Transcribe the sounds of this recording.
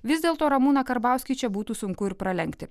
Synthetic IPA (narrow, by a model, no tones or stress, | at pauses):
ʋʲɪzʲd̪ʲeːlˠt̪oːɾɐmuːnɐkɐɾbɑˑʊsʲkʲiːt͡ʃʲɛbuːt̪uːsʊŋkʊɪɾpɾɐlʲɛŋʲkʲt̪ʲɪ